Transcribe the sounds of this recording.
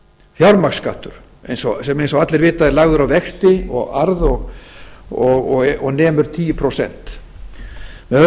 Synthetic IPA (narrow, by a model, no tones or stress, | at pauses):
fjawɾmakskaht̪ʏɾ̥ | ejnsɔsɛmejnsɔat̪lɛɾvɪːt̪aðɛɾlaɣðʏɾawvɛkst̪ɪɔ̰ɣaɾðɔɣ | ɔɣɔɔɣnɛːmʏɾ̥t̪ʰiːjʏpʰɾosɛ̰n̥t̪ | mɛð